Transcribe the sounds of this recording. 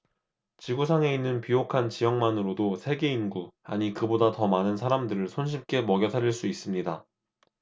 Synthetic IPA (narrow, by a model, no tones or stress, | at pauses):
t͡ɕiɡusʰaŋe̞inːɯnpijokʰant͡ɕijʌŋmanɯɾodosʰe̞ɡe̞inɡua̰ɲikɯbodatʌmanɯnsʰaɾamdɯɾɯɭsʰonɕ̬ʰip̚k͈e̞mʌɡjʌtʰaɾiɭs͈uis͈ɯmɲida